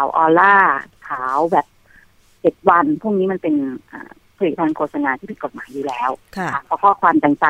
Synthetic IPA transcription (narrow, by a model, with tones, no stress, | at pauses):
kʰaː˨˩˦wʔɔː˧laː˥˩k̪ʰaː˩˦wbɛː˨˩p̚ | t͡ɕe˨˩t̪̚wa˧npʰu˥˩˨ŋniː˦˥ma˧npe˧nʔa̰ː˨˩ | pʰli˨˩t̪ʰaː˧nkʰoː˧t̪̚sa˧naː˧t̪ʰiː˥˩pʰi˨˩ko˨˩maː˩˦juː˨˩lɛː˦˥wʰa˧˩ɔː˧˦˥kʰɔː˥˩kʰwaː˧mt̪ɛː˧ŋta˨˩